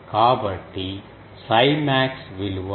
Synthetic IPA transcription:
kaːbɐʈːi | sɐɪnæːksʋɪlʋ

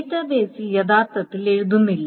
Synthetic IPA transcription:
t̪ːɐd̪eːsijɐd̪aːt̪ːɐt̪ːile̞ɻuðunːilːɐ

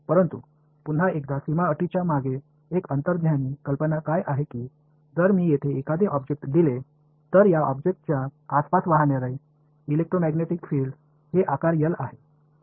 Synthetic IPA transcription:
pəɾənt̪u | puɳ̤aek̚d̪asimaəʈit͡ɕjamaɡe | ekənt̪əɾd̪nʲjanikəlpənakajʔaɦekiː | d͡zəɾmiːjet̪ʰeːkad̪ʱeʔɔb̚d͡ʑek̚ʈd̪ile | t̪əɾjaʔɔ̰b̚d͡ʑek̚ʈ̚t͡ɕjaːspasʋaɦaɳjaɾəj | ilek̚ʈɾomæɡneʈikfiːɭɖ | heʔakaɾjəlaɦe

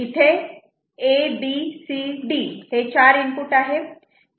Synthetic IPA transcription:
ɪt̪ʰe | eɖiːsiɖiːt̪ʰet͡ʃaːɾɪmpuʈaɦɛ

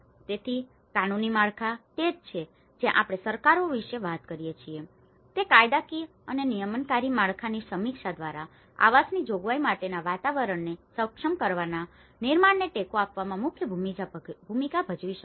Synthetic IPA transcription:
t̪et̪ʰi | kanunimaɭkʰat̪ed͡ʒt͡ʃʰe | d͡ʒẽʔapɽ̃esəɾkaɾoʋiʃeʋat̪kəɾijet͡ʃʰie | t̪ekajd̪aki | ənenijəmənkaɾimaɭkʰanisəmikʃad̪ʋaɾa | a̰ʋasnid͡ʒoɡʋaimaʈenaʋat̪aʋəɾəɳnesəkʃəmkəɾʋana | nɪɾmaɽneʈekoapʋamãmʊkʰjəbʱumid͡ʒbʱumikabʱəd͡ʒʋiʃə

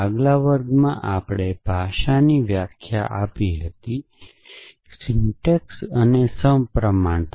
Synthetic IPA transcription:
aɡlaʋəɾɡmãʔapɽ̃ebʱaʃaniʋjakʰjaʔapiɦət̪i | sɪɳʈeksənesəwpɾəmaɳt̪ʰ

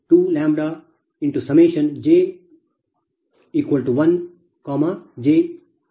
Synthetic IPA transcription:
ʈuːlãːmbɽa | ɪ̃ɳʈusɐmeːʃə̃nd͡ʒeː | iːkʋəlʈuʋɐ̃n | kɔːmad͡ʒeː

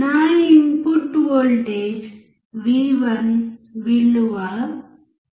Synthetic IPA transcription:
naːjimpuɾʈːʋoːlʈeːd͡ʒ | ʋiːʋɐnʋiɭːuʋaː

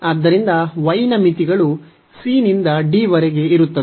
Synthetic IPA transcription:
ɐd̪ːɐɾind̪ɐʋɐjnɐmit̪iɡɐɭu | siːnind̪ɐɖiːʋɐɾɛɡe̞iɾut̪ːɐd̪e

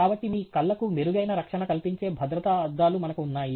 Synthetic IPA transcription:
aːbɐʈːimiːkɐlːɐkumeɾuɡɐjnɐɾɐkʂɐnɐkɐlipiɲt͡ʃe̞ːbʱɐd̪ɾɐt̪aɐd̪ːaːlumɐnɐkuːnːaːji

